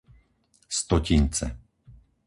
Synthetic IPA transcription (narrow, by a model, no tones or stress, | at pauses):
st̪ɔcint͡sɛ̰